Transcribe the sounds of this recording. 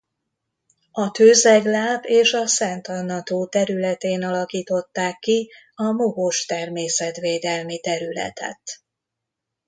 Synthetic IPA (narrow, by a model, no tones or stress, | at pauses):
ɒt̪øːzɛɡlaːpeːʃɒsɛnt̪ɒnːɒt̪oːt̪ɛɾylɛt̪eːnɒlɒkiːt̪o̞t̪ːaːkːi | ɒmoɡoʃt̪ɛrmeːsɛt̪ʋeːd̪ɛlmit̪ɛɾylɛ̰t̪ɛ̰t̪